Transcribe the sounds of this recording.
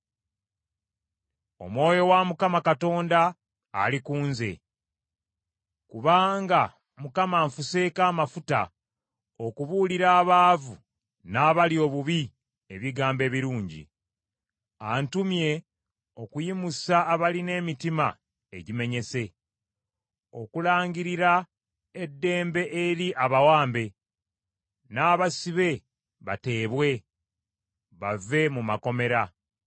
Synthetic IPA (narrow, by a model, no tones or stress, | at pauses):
o̞̰mwo̞ːjo̞wamukamakato̞ːnda̰ː | likuːnze̞̰ | kuβaːŋɡa | mukamaːɱfuse̞kaːmafuta̰ | o̞kuβuːliɾaːβaːvu | naːβalio̞ːβuβi | e̞βiɡaːmbe̞ːβiɾuːɲɟḭ | antumje̞ | o̞kujimusaːβaline̞ːmitima̰ | eɟime̞ɲe̞se̞ | o̞̰kulaːɲɡiɾiɾa | e̞dːe̞ːmbe̞ʔeɾiʔaβawaːmbe̞ | naːβasiβe̞ | βate̞ːβwe̞ | βave̞mumako̞me̞ɾa